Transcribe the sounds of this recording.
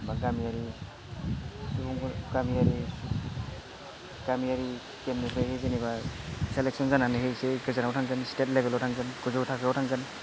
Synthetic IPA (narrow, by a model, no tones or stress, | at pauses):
baɡamiaɾi | iuŋɡɡamiaɾi | ɡ̥amiaɾi | kemnipʰɾajhejzenibaselek̚sɔnzananɯɦejseɡɯzanawtʰaŋkɯnstet̚lebʱelawtʰaŋkɯnkuzawtʰakʰɾawtʰaŋɡɯn